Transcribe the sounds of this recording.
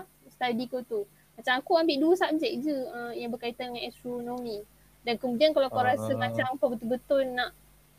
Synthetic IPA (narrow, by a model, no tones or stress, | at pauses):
st̪adikot̪u | mat͡ʃamakuambɪʔduəsap̚d͡ʒɛk̚d͡ʒəəmjaŋbərkait̪andəŋãnɛst̪ɾonomĩ | dankəmudiankalawakaɾasəmat͡ʃampəbət̪ubət̪ʊnːaʔ